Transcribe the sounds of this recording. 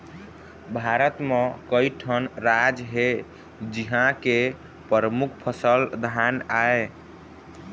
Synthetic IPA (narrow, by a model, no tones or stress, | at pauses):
bʱaɾət̪mẽkəiʈʰənɾad͡ʒɦe | d͡ʒiɦãke | pəɾəmukʰpʰəsəld̪ʱanae